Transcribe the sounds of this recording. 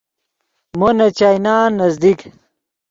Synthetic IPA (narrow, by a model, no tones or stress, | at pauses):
monɐt͡ɕaːjnaːnːɐzd̪ik